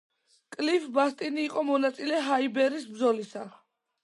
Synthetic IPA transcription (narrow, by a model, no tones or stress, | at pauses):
kʼlifbast̪ʼiniːqʼɔmɔnat̪sʼilɛɦaibɛɾisbd̪zɔlisa